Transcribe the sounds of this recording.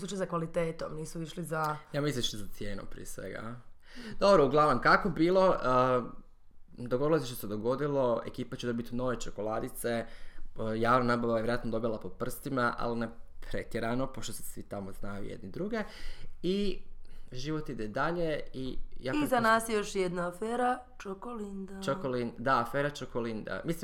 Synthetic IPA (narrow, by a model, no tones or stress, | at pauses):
usut͡ʃajsakʋalit̪eːt̪omniːsuiʃlizajamisiiʃlizat̪sje̞ːnompɾḭesʋḛɡa̰ | d̪o̞bɾouɡlˠaʋnomkakobiːlˠo̞ə | d̪oɡo̞d̪ilosiʃt̪osed̪o̞ɡo̞d̪ilˠo̞e̞̰kiːpat͡ʃed̪obit̪ino̞ʋe̞t͡ʃoko̞lˠad̪it̪se̞ | jaːʋnanabaʋajjeɾat̪nod̪o̞bilˠapo̞pr̩st̪imaʔa̰linepɾe̞t̪jeɾano̞poʃt̪osesʋit̪amo̞znajṵjḛd̪nid̪ɾuɡe̞i | ʒiʋo̞t̪id̪ed̪aʎe̞ijaizanaːsjejoʃjed̪naːfeːɾa | t͡ʃokolind̪at͡ʃokolind̪d̪aːfeːɾat͡ʃokolind̪a̰misli